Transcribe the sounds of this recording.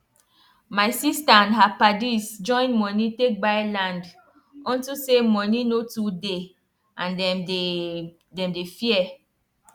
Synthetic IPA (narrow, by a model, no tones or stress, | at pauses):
majsistaãnɦapadisd͡ʒɔ̃ɪ̃nmɔnitek̚bajlãnd | ɔ̃ntusemɔninotude | ʔãndɛ | dɛ̃mdefiɛ